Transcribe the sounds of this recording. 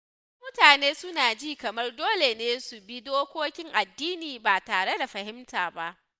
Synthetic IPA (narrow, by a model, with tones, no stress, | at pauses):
mʊ˦taː˨neː˦sʊ˦naː˨d͡ʒiː˦kɐ˨mɐ˦rdoː˦le˨neː˦su˨bi˦doː˦kʷoː˦kʲɪ˦ŋʔa˨dːiː˦niː˨baː˨taː˨ɽe˦da˨ɸɐ˨hɪ˦mtaː˨ba˦ʔ